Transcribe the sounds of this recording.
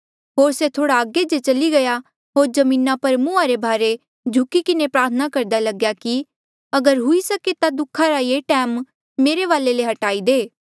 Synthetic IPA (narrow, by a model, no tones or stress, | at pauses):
ɦoːɾset̪ʰoːɽaəɡed͡ʒet͡ʃɐliɡɐja | ɦoːɾd͡ʒɐmĩːnapɐɾmʊ̃aɾebʱaːɾe | d͡ʒʱʊkikɪnepɾaːɾt̪ʰənakɐɾd̪alɐɡjaki | ɐɡəɾɦʊisɐket̪ad̪ʊkʰːaɾajeːʈɛːmː | eːɾeʋaːleleɦɐʈaːid̪eː